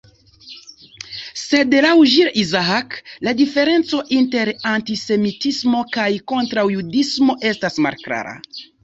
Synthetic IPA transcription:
se̞de̞lawʒiɾizaakladife̞ɾe̞nt͡so̞ʔinte̞ɾantise̞mitismo̞kajko̞ntɾawjudismo̞ʔe̞stasma̰ɾkɾa̰ɾa̰

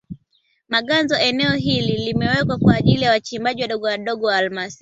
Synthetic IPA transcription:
maɠanzɔʔɛnɛɔɦililimɛwɛkwakwaːʄilijawat͡ʃimbaʄiwaɗɔɠɔwaɗɔɠɔwaalmasi

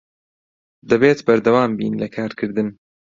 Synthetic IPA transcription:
d̪ɐbeːt̪bɐɾd̪ɐwaːmbḭːnlɐkʰaːɾkʰɨɾd̪ɨn

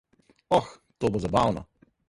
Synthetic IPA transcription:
ɔx | t̪oːbozabawnɔ̰

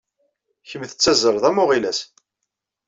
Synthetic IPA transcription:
çəmθə̥t͡sːæzəɾˤðˤæmʊʁilæs

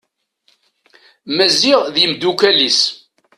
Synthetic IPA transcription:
mæziʁðimd̪ukælis

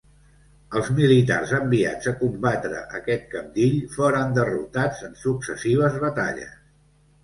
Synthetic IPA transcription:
əlˠzmilit̪a̰rzəmbia̰d͡zəkumbat̪ɾə̰ʔəkɛt̪̚kəmd̪iʎfoɾənd̪ərṵt̪ad͡zənsuksəsiβ̞əzβət̪a̰ʎə̰s

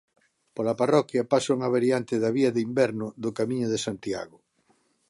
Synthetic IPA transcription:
polaparɔkjɐpasuŋaβ̞aɾjant̪ɪðaβiɐðɪimbɛɾnʊðʊkamĩɲʊðesant̪ia̰ɣʊ

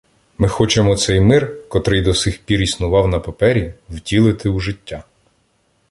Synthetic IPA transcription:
mɪxɔt͡ʃemɔt̪sɛjmɪrkɔt̪ɾɪjd̪ɔsɪxpʲiɾʲisnʊʋɑwnɐpɐpɛɾʲiwtʲilˠɪt̪ɪuʒɪtʲːa

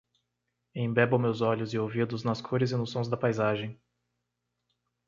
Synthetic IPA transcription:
ẽj̃bɛbɐmewzɔʎʊzɪowvid̪ʊznɐskʰoɾɪzɪnʊsõj̃zd̪ɐpajzaʒẽj̃

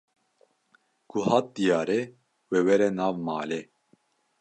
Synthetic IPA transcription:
ɡ̥uhɑːt̪̚d̪ijɑːɾɛ | weːwɛɾɛnɑːvmɑːle

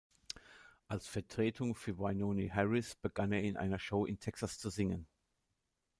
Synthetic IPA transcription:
ʔalsfɛɐtʁ̥eːtʰʊŋfyːɐvaɪnoːniɦɛʁɪsb̥əɡaneːɐɪnʔa̰ɪnɐʃoːʔɪntʰɛksast͡suzɪŋən

